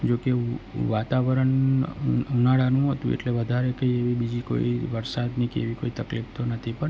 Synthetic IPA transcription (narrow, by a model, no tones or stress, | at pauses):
d͡ʒokeʋat̪aʋɾəɳ | unaɽanũɦot̪ũḛʈleʋəd̪ʱaɾekeeʋibid͡ʒiko̰iʋəɾsad̪nikḛʋikoit̪əklift̪onət̪ʰipəɾ